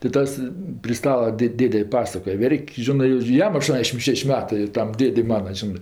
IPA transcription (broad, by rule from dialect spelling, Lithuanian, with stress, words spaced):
tʲɪ ˈtɐs pʲrʲɪ ˈstɑːlˠɐ ˈdʲeːtʲ ˈdʲeːdʲɛ ˈpɑːsɐkoːj ˈʋʲɛrʲkʲ ˈʒʲɪnɜ ɪr ˈjɛm ɐˈʃtuɔnʲdʲɛʃʲɪm ˈʃʲɛʃʲ ˈmʲæːtɜ ˈtɐm ˈdʲeːdʲɛɪ ˈmɑːnɐ ˈʒʲɪnɜ